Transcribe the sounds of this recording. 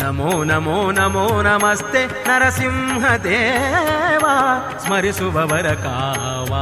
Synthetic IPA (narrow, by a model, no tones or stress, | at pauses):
ɐmoːnɐmoːnɐmoːnɐmɐst̪e | nɐɾɐsimɦɐd̪eː | ʋa | smɐɾisuʋɐʋɐɾɐkaː | ʋɐ